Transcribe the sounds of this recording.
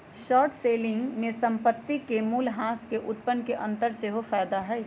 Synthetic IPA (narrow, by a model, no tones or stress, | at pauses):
ʃɔːɾʈseːlɪ̃ŋɡmẽsɐ̃mpət̪ːikemuːlɦãːskeʔʊt̪̚pənkeʔɐ̃nt̪əɾseɦofɛːd̪aɦɛː